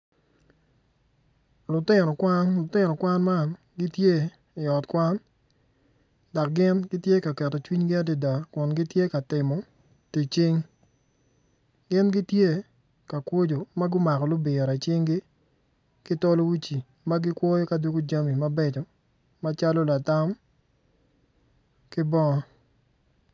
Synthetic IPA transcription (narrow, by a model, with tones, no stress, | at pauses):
lʊ˨tɪ˦nɔ˨kwa˦nlʊ˨tɪ˦nɔ˨kwa˦nma˦˨n | ɡɪ˦tje˦ | ɪ˨ɔ˨tkwa˦n | dɔ˨k̚ɡɪ˦nɡɪ˦tje˦ka˨kɛ˨tɔ˨t͡ʃwi˦ɲɡɪ˦a˦di˨da˨kʊ˨nɡɪ˦tje˦ka˨tɪ˨mɔ˨ | ti˨t͡ʃi˦ŋ | ɡɪ˦nɡɪ˦tje˦ | ka˨kwo˦d͡ʒo˨ma˦ɡʊ˦ma˨kɔ˨lʊ˦bɪ˨ɾa˨t͡ʃɪ˦ŋɡɪ˦ | kɪ˦tɔ˦lo˦wi˦t͡ʃi˨ | ma˦ɡɪ˦kwɔ˦jɔ˦ka˨du˦ɡo˦d͡ʒa˦mi˨ma˦bɛ˦t͡ʃɔ˨ | ma˦t͡ʃa˦lɔ˦la˨ta˦m | kɪ˦bɔ˦ŋɔ˦